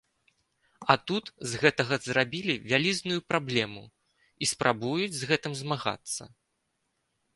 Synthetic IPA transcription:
ɐt̪ut̪zɣɛt̪ɐɣɐzrabʲilʲivʲalʲiznujupɾablʲɛmu | ispɾʔabujud͡zʲzɣɛt̪ɨmzmaɣa̰t̪sːɐ̰

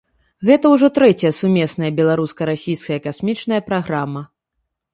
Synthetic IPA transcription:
ɣɛt̪ɐwʐɔt̪ɾɛt͡sʲɐjɐsumʲɛsnɐjɐbʲɛlˠaɾuskɐɾasʲijskɐjɐkasmʲit͡ʂnɐjɐpɾaɣɾamːɐ

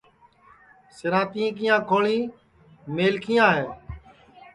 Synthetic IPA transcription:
sɪɾãːt̪ĩːk̬ijãːkʰoːɭiː | meːlkʰɪjãːɦeː

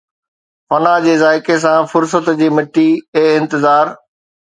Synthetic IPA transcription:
fɐnad͡ʑeːzaːɪkes̬ãfʊɾs̬ət̪d͡ʑiːmɪʈieːɪ̃nt̪ɪzaːɾ

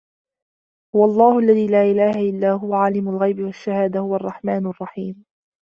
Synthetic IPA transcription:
hʊwaɑlˤːɑːhʊʔalːaðiːlaːʔɪlaːhaʔɪlːaːɦʊwaʕalɪmʊlɣajbɪwaʃːahaːd̪ahʊwaʔɑrˤːɑħmaːnrˤːɑħiːm

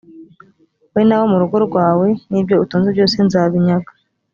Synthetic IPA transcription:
wenawo̞muɾuɡo̞ɾɡwaːwe̞nibɟo̞utuːnzebɟoːse̞nzaːβiɲaɡḁ

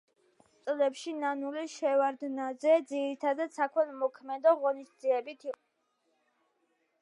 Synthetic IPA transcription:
t̪sʼlɛpʃinanuliʃɛvaɾd̪nazɛd̪ziɾit̪ʰad̪at̪sakʰwɛlmɔkʰmɛd̪ɔʁɔnisd̪ziɛbit̪ʰiqʼ

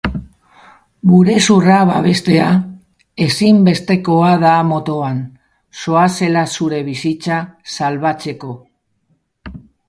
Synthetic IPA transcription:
buɾe̞suraβa̰βe̞st̪e̞a | e̞simbe̞st̪e̞ko̞aðamo̞t̪o̞an | so̞ase̞lasuɾe̞β̞isit͡sasalβat͡se̞ko̞

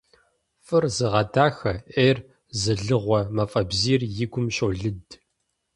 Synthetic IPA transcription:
fɨrzɨʁɐdʰaːxɐʔeːr | zɨɮɨʁʷɔmɐfʼɐbziːrjɪɡʷʊmɕʼoːɮɨd

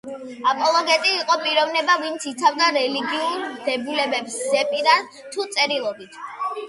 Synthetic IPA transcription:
apʼɔlˠɔɡɛt̪ʼiːqʼɔpʼiɾɔvnɛbavint̪sʰit̪sʰavd̪aɾɛliɡiuɾmd̪̥ɛbulɛbɛpsɛpʼiɾan | t̪ʰut̪sʼɛɾilˠɔbit̪ʰ

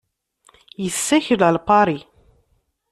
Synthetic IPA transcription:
jəsːæçələlpɑɾˤi

